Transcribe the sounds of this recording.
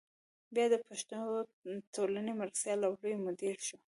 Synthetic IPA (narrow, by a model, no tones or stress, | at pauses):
bjɑd̪əpaʃt̪ut̪olanemaɾasjɑlawɽəjmod̪eɽʃu